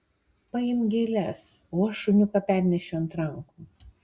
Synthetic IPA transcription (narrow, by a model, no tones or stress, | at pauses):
pɐjɪmɡʲeːlʲɛsuːʃʊnʲʊpɐpʲæˑɾʲnʲɛʃʲoɐnt̪ɾɐŋkuː